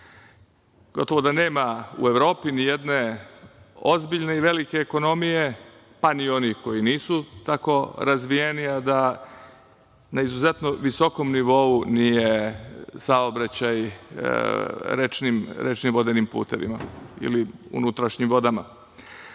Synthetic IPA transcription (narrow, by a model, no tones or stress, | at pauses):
ɡ̥o̞t̪o̞ʋo̞d̪ane̞ːmaṵe̞ʋɾo̞ːpinije̞d̪ne̞ | o̞zbiʎne̞iʋe̞like̞ːko̞no̞mije̞ | panio̞nixko̞jiniːsut̪ako̞ɾazʋijeniad̪a | naizuze̞t̪noʋiso̞ko̞mniʋo̞unije̞saobɾat͡ɕaj | ɾet͡ʃnimɾet͡ʃnimʋo̞d̪enimpṵːt̪e̞ʋḭma̰ḭliṵnut̪ɾaʃɲimʋo̞d̪ama̰